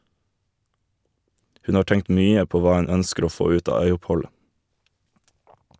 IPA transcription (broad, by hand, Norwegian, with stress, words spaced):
ˈhʉn ˈɑː ˈʈɛŋt ˈmyːə ˈpoː ˈʋɑː ˈʉn ˈœnskəɾ ˈoː ˈfoː ˈʉːt ˈɑː ˈœʏʊpˌhɔlə